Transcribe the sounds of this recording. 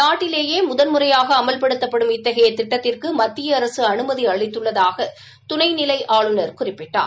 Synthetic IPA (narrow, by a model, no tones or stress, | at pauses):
naːʈːɪleːjeːmʊðɐnmɯrɐjaːɣɐːmɐlpɐɽɯt̪ːɐpːɐɽɯmɪt̪ːɐɣɐjɐt̪ːɪʈːɐt̪ːɪrkɯmɐt̪ːɪjɐːɾɐsɯɐnɯmɐðiɐɭɪt̪ːɯɭːɐðaːɣɐ | t̪ʊnɐɪnɪlɐɪʔaːɭɯnɐɾkʊrɪpːɪʈːa̰ː